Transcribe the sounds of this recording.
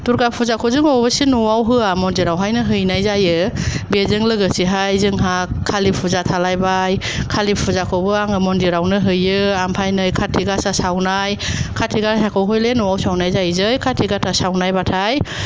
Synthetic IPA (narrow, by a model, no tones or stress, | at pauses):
tuɾɡapʰuzakʰɔzɯŋɔwbɯsinuwawɦɯamɔndiɾawɦajnɯɦɯjnajzajɯbezɯŋlɯɡɯsiɦajzɯŋɦakʰːalipʰuzatʰalajbaj | kʰalipʰuzakʰɔbɯaŋɯmɔndiɾawnɯɦɯjɯampʰajnɯjkʰatʰiɡasasawnajkʰatʰiɡasakʰɔwɦɯjlenuwawsawnajzajzɯjkʰatʰiɡatʰasawnajbatʰaj